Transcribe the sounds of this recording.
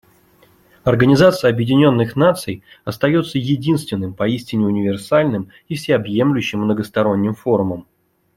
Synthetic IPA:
ɐrɡənʲɪzat̪sɨjəɐbjɪdʲɪnʲo̞nːɨxnat̪sɨj | ɐst̪ɐjo̞t̪səjɪdʲinst̪vʲɪnːɨmpɐisʲtʲɪnʲɪʊnʲɪvʲɪrsalʲnɨm | ifsʲeɐbje̞mlʲʊɕːɪmːnəɡəst̪ɐɾo̞nʲːɪmfo̞ɾʊməm

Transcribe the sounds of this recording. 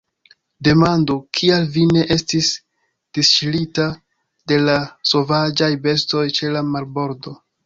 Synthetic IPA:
de̞mandokʰialvine̞ʔe̞stis | d̥ist͡ʃilita | de̞laso̞vad͡ʒajbe̞sto̞jt͡ʃe̞lamaɾbo̞ɾdo̞

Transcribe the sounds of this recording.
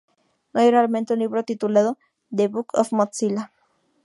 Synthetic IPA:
nojoɾalment̪euniβɾot̪it̪ulaðo | d̪eβukʰo̰fmot͡sila

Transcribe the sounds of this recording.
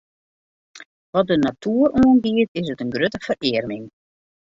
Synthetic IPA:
ʋɔt̚dənatʰuəɾuːənɡiətɪsətənɡrøtəfərɪərmɪŋ

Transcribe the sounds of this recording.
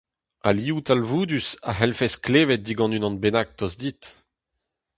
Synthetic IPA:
a̰liːut̪alvuːd̪ysa̰ɦɛlfɛskleːvɛt̚d̪iɡɑ̃nynɑ̃nbenak̚t̪ɔzd̪it̪

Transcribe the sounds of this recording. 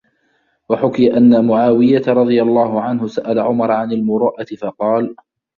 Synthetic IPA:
waħʊkɪjaʔanːamʊʕaːwɪjat̪aɾˤɑd̪ˤɨjalˤːɑːhʊʕanhʊsaʔalaʕʊmɑɾˤʕanalmʊɾɑːʔat̪ɪfɑqɑːl

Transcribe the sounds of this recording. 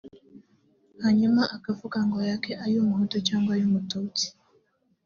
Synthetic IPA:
haɲumaʔakafukaŋɡɔjakɛʔajumuhɔtɔt͡ʃaŋɡwajumutɔuti̥

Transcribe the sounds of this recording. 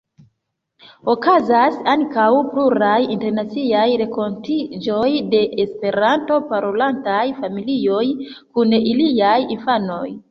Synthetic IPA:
o̞kazasaŋkawpluɾajinte̞ɾnat͡siajɾe̞ko̞ntid͡ʒo̞jde̞ʔespe̞ɾanto̞paɾolantajfamilio̞j | kuniliajinfano̞j

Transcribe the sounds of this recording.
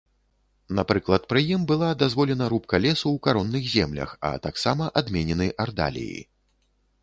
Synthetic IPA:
napɾɨklˠɐt̪̚pɾɨjimbɨlˠad̪azvɔlʲɛn̪ɐɾup̚kɐlʲɛsuwkaɾɔnːɨxzʲɛmlʲɐ̰xɐ̰t̪aksamɐʔad̪mʲɛnʲɛnɨʔard̪a̰lʲḭjḭ

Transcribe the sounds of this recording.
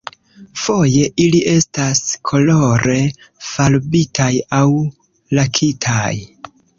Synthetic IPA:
fo̞je̞ʔiliʔe̞staskʰo̞lo̞ɾe̞ | falbitʰajaw | lakʰitʰaj

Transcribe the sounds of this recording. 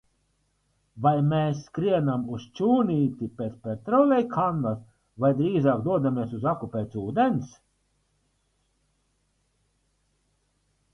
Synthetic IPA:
vajmeːsːkɾiɛnamust͡ʃuːniːt̪ipʲeːt̪spʲeɾt̪ɾɔwlʲɛjkʰand̪as | vajd̪ɾiːzaːkd̪uɔd̪amiɛsuzakupeːt̪suːd̪ens

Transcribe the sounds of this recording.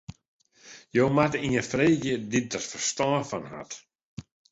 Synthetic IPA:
jowmatiənfreːɡjədɪt̚dɔtfərstɔːfanha̰t

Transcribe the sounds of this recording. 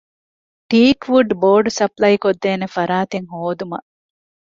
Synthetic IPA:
ʈiːkʋuɖboːɾɖsɐplɐikod̪ːeːnefɐɾaːt̪eŋɦoːd̪umɐ

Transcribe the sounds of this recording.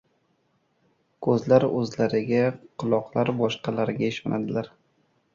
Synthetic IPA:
kʰɵzlaɾɵzlaɾɪɡʲaqʰʊlˠɒqʰlˠaɾbɒʃqɑlaɾɡʲaɪʃɒnʔad̪ɪlaɾ

